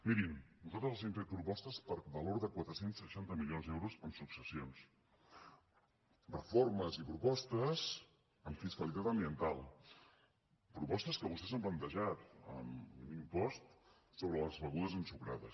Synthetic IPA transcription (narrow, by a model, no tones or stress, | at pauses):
miɾinnut̪ot̪əlˠsenfet̪̚pɾupɔst̪əspəɾβəloɾðəkwat̪ɾəsensːəʃant̪əmilionzd̪ɛwɾuzəmsuksəsions | rrəforməzipɾupɔst̪əs | əmfiskəlit̪at̪əmbiənt̪alˠ | pɾupɔst̪əskəβust̪ɛzəmplənt̪əʒat̪ə̰munimpɔst̪ | soβɾələzβəɣuðəzənsuɣɾa̰ðəs